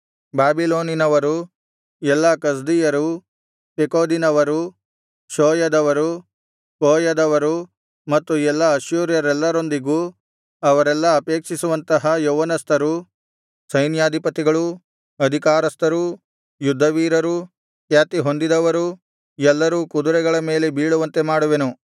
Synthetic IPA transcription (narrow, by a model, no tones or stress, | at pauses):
baːbiloːninɐʋɐɾu | ɛlːɐkɐs̬d̪ijɐɾu | pekoːd̪inɐʋɐɾu | ʃoːjɐd̪ɐʋɐɾu | koːjɐd̪ɐʋɐɾu | mɐt̪ːuɛlːɐɐʃjuːɾjɐɾɛlːɐɾo̞nd̪iɡuː | ɐʋɐɾɛlːɐːpeːkʂisuʋɐnt̪ɐɦɐjoʋɐnɐst̪ɐɾu | sɐjnjaːd̪ʱipɐt̪iɡɐɭu | ɐd̪ʱikaːɾɐst̪ɐɾu | jud̪ʱːɐʋiːɾɐɾu | kjaːt̪iɦo̞nd̪id̪ɐʋɐɾu | ɛlːɐɾuːkud̪uɾɛɡɐɭɐme̞ːle̞biːɭuʋɐnt̪e̞maːɽuʋenu